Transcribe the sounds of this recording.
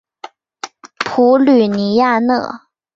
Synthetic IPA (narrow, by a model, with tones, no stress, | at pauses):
pʰu˧˥ly˨˩ni˧˥ja˥˧nɤ̰˥˩